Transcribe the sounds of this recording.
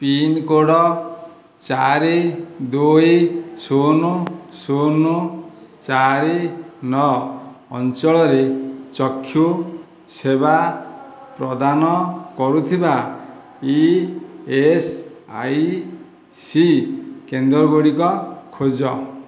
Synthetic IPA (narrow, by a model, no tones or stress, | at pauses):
pinkoɽɔ | t͡ʃaɾid̪ojsonusonut͡ʃaɾinɔː | nt͡ʃɔɭɔɾet͡ʃɔkʰːju | seba | pɾɔd̪anɔkɔɾut̪ʰiba | i | esa̰j | sikend̪ɾɔɡoɽikɔkʰod͡ʒɔ